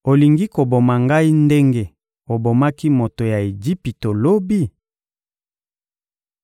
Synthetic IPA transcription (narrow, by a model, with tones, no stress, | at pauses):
o˨li˨ŋɡi˦ko˨bo˨ma˨ŋɡa˦i˦nde˦ŋɡe˦ | o˨bo˨ma˦ki˦mo˨to˨ja˨e˨d͡ʒi˦pi˨to˨lo˦bi˦